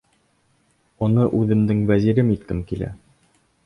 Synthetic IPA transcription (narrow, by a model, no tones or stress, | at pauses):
ŏnɤʔʉðɘ̆md̪ɘŋvæziɾɘmit̪kɘmkilæ̰